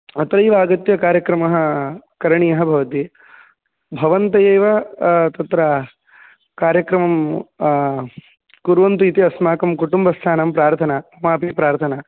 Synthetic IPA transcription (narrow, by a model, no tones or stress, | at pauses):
ɐt̪ɾɐjʋaːɡɐt̪jɐkaːɾjɐkɾɐmɐɦɐ̆kɐɾɐɳijɐɦɐ̆bʱɐʋɐt̪i | bʱɐʋɐnt̪ɐjɐjʋɐt̪ɐt̪ɾɐ | kaːɾjɐkɾɐmɐm | kuɾʋɐnt̪uit̪iɐsmaːkɐmkuʈumbɐst̪ʰaːnɐmpɾaːɾt̪ʰɐnaɐmaːpipɾaːɾt̪ʰɐna